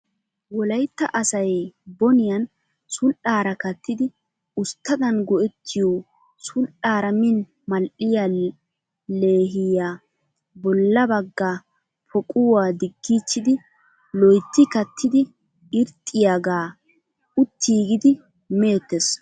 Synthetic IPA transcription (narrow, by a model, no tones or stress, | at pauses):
wɔlɐjt̪ːɐʔɐsɐjbɔnɪjɐn | sʊlʔaːɾɐkɐt̪ːɪd̪ɪ | ʊst̪ːɐd̪ɐnɡɔʔɛt̪ʰːɪjɔ | sʊlʔaːɾɐmɪn | mɐlʔɪja | le̞ːɦɪjaː | bɔlːɐbɐɡːaː | pʰɔkʼʊwaːd̪ɪɡːiːt͡ʃːɪd̪ɪ | lɔjt̪ːɪkɐt̪ːɪd̪ɪ | ɪɾt̪ʼːɪjaɡaː | ʊt̪ːiːɡɪd̪ɪ | meːt̪ːes